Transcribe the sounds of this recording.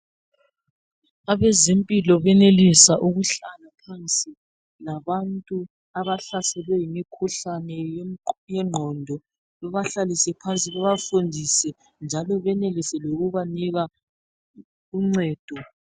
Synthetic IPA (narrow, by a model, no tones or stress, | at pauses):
aβezempʼilɔβɛnelisaʔuɣuɬalapʰant͡sʼi | laβantʼu | aβaɬasɛlwɛjimikʰuɬanɛjɛŋ͡ǃʱɔndʱɔ | ɔβaɬalisɛpʰant͡sʼiɣɛβafundʱisɛ | nd͡ʒʱalɔβɛnelisɛloɣuβaniɣa | uŋ͡ǀɛːd̥ʱɔ